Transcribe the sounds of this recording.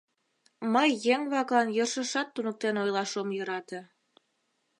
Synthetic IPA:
məjːeŋβɑkɑnjərʃə̆ʃɑt̪ːunək̚t̪enojlɑʃomjə̆ɾɑt̪ĕ

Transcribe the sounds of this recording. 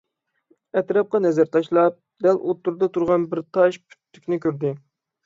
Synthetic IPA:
ɛt̪ɾɑp̚qɑnɛzæɾt̪ʰɑʃlˠɑp̚d̪ɛlʔot̪ːuɾd̪ɑt̪ʰuɾʁɑnbɪɾt̪ʰɑʃpʰy̥t̪ʰːy̥kʲnɪkʲøɾd̪ɪ

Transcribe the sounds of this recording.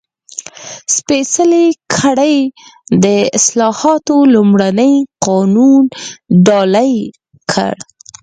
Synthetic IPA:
spesəlekʰaɽəjd̪əɪslɑhɑt̪olʊmɽanəjqɑnunɖɑlaj | kʰə̰ɽ

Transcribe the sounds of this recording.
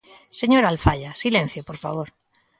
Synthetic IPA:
se̞ɲoɾalfaʎasilẽn̟θjopoɾfaβ̞oɾ

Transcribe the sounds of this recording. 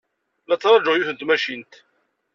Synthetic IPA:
læt͡sːɾˤɑd͡ʒoʁjuθənt̪mæʃint̪

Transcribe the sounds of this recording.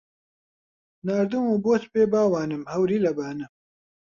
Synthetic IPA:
naːɾd̪umuːboːt̪peːbaːwaːnɨmhɐwɾiːlɐbaːnɨ

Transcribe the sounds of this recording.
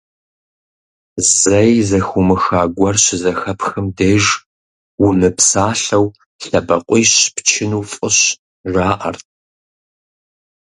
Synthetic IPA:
zɐjzɐxumɨxaːɡʷɐrɕɪzɐxɐpʰxɨmdeːʒ | wʊmɨpsaːɬɐw | ɬɐbɐqʷʼiːɕpt͡ʃʰɪnuːfʼɨɕ | ʒaːʔɐ̰rt̚ʰ

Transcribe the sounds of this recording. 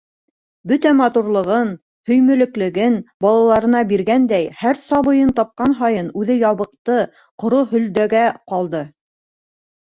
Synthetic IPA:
bɵt̪æmɑt̪uɾlˠɤ̆ʁɤn | hɵ̆jmɵ̆lɘ̆klɘ̆ɡɘnbɑlˠɑlˠɑɾɤ̆nɑbiɾɡænd̪æjhæɾsɑβɤ̆jɤnt̪ɑp̚qɑnɦɑjɤnʉðɘjɑβɤ̆q̚t̪ɤ | qŏɾoɦɵ̆ld̪æɡæqɑlˠd̪ɤ

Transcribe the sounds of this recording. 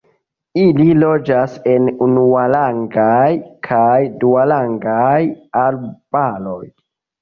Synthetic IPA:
ililo̞d͡ʒasenunualaŋɡajkʰajdualaŋɡajalb̥alo̞j

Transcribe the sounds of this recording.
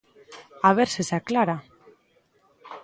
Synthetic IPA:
aβ̞eɾsesaklaɾa

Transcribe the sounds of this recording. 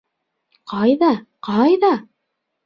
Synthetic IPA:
qɑjðɑqɑjðɑ

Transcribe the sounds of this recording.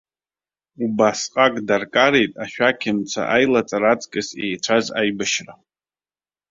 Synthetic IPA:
ubasqʼakʼdarkʼaɾe̞jtʼaʃᶣakʲʰɪmt͡sʷʰa̰ʔajlat͡sʼaɾat͡sʼkʼɨsḛjt͡ʃʷʰaza̰jbaʃra

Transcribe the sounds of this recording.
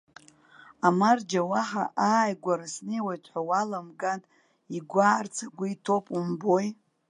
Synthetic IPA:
amard͡ʒawaħa̰ʔaːjɡʷaɾasnejwajtʷʼʰħʷawalamɡanʼ | iɡʷaːrt͡sʰaɡʷʊitʰo̞pʼumbo̞j

